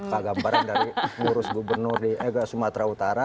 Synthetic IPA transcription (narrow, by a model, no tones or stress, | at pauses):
paɡabaɾandaɾiŋuɾʊsɡubərnʊrdiɛɡasumat̪ɾaut̪aɾa